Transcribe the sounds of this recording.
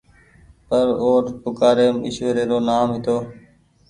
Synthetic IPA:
pəɾoːɾpʊkaːɾeːmɪ̰ʃʋeːɾeːɾoːnaːmɦɪt̪oː

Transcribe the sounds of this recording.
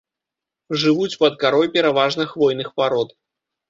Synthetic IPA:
ʐɨvut͡sʲpɐd̪̚kaɾɔjpʲɛɾavaʐnɨxvɔjnɨxpaɾɔt̪

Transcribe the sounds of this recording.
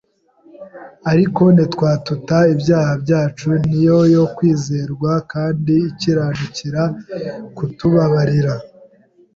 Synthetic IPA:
aɾiko̞nitkwaːtutaibjaːhabɟaːt͡ʃunijo̞jo̞kwiːze̞ːɾɡwakaːndiːciɾaːnuciɾakutuβaβaɾiɾa

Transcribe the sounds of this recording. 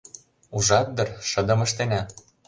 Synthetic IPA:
uʒɑt̪̚d̪ɤ̆rʃɤ̆d̪ɤ̆mɤ̆ʃt̪enæ

